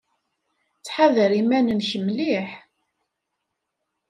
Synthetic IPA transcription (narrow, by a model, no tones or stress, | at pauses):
t͡sːħaðəɾimænənçəmliħ